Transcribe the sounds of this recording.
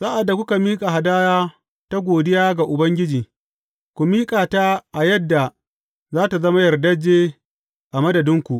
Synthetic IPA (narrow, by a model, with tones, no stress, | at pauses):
saː˦ʔa˨dːa˨kʷʊ˦ka˨miː˦kʼa˨ɦa˨daː˦jaː˦ | ta˦ɡʷoː˨dɪ˦jaː˦ɡa˨ʔʊ˨bɐ˦ŋɡʲɪ˦d͡ʒiː˨ | kʷu˨miː˦kʼaː˨ta˦ʔa˨jɐ˦dːa˨ | zaː˦ta˨zɐ˦ma˦jɐ˨rdɐ˦d͡ʒːeː˦ | ʔa˨mɐ˦dɐ˨dɪ˦ŋkʷu˨ʔ